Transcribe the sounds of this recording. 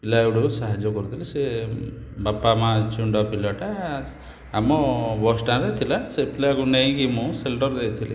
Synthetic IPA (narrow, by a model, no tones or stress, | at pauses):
pilaeɽusaɦad͡ʒɔkɔɾut̪ʰilise | bapamat͡ʃuɳɖɔpilɔʈaː | mɔbɔsʈãɾet̪ʰilasepilakunej̃kimũselʈɔɾd̪ejt̪ʰilḭ